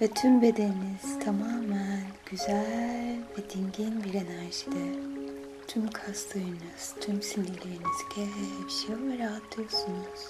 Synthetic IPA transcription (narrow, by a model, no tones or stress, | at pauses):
vɛt̪ʰymbe̞d̪eniniz̥t̪ʰamaːmænɟ̥yzælʲlʲvɛd̪iɲɟinbiɾe̞næɾʒid̪ɛ | t̪ʰymkʰast̪ʰɯjɯnɯz̥t̪ʰymsindilʲeɾiniz̥cʰɛbiʃejovɛɾaɦat̪ʰːɯjosunuz̥